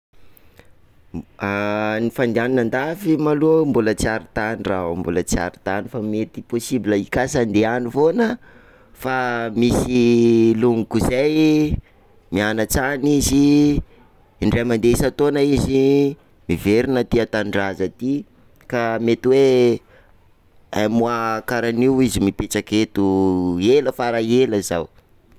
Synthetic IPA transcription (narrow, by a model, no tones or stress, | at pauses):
anifand̪ianinand̪afimalumbulət͡saɾit̪anirambṵlət͡sia̰ɾi̥t̪anifamet̪iposibiləikasand̪eanivonə | famisiluŋukuzaj | mianat͡sanizi | ɳɖ͡ʐamand̪esat̪onaizi | miveɾinət̪iat̪aɳɖ͡ʐazat̪i | kamet̪iwe | amuakaɾaniwizimipet͡saket̪ueləfaɾaeləzaw